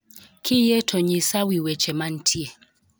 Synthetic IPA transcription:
kʰijɛtʰɔɲisawiwɛt͡ʃɛman̩tʰie

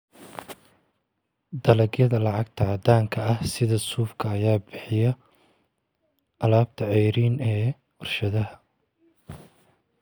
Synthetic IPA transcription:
d̪ɐlɐɡjɐðɐlɑʕɑɡ̚t̪ʰɐʕɑd̪aːŋkʰɐɐhsɪðɐsuːfkʰɐːjaːbɪħɪjɐ | ɐlaːb̚t̪ʰɐʕɛjɾiːnɛː | ɔrʃɐðɐɦɐ

